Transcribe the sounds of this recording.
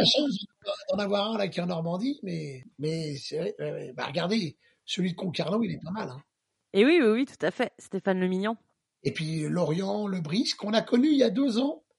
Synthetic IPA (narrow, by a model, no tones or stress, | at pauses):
aʃɑ̃d̪ad̪ɑ̃navwaʁɛ̃lakʲɛɑ̃nɔʁmɑ̃d̪imɛmɛsɛɛwɛwɛ̰ba̰ʁəɡaʁd̪e | səlɥid̪əkɔ̃kaʁnoilɛpamalɛ̃ | ewiwiwit̪u̥t̪afɛst̪efanləminjɑ̃ | epɥilɔʁjɑ̃ləbʁiskɔ̃nakɔnyiljad̪øzɑ̃